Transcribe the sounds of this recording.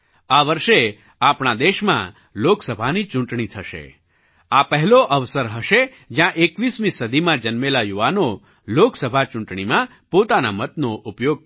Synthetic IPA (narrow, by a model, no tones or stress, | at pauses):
aʋəɾʃe | apɳad̪eʃmã̰ | loksəbʱanit͡ʃʊ̃ɳʈɳit̪ʰəʃḛ | apəɦɛloʔəʋsəɾɦəʃe | d͡ʒjãʔekʋismĩsəd̪ʱimãd͡ʒənmelajuʋano | loksəbʱat͡ʃʊ̃ɳʈɳ̃imã | pot̪anamət̪noʔupjoɡ̚